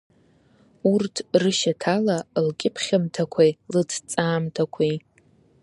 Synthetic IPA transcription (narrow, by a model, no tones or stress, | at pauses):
urtʰrɨʃatʰalalkʲʼɪpʰχʲamtʰakʷʰajlɨtʰt͡sʼaːmtʰakʷʰej